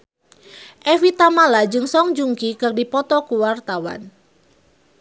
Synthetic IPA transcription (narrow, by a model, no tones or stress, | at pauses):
ʔɛfit̪amalad͡ʒɨŋsɔŋd͡ʒuŋkikɨrdipɔt̪ɔkuwart̪awa̰n